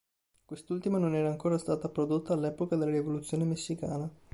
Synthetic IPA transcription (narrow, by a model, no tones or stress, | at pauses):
kwest̪ult̪imanonɛːɾaːŋkoːɾast̪aːt̪apɾod̪ot̪ːaːlːɛːpokad̪elːaɾivolut̪sːjoːnemesːikaːna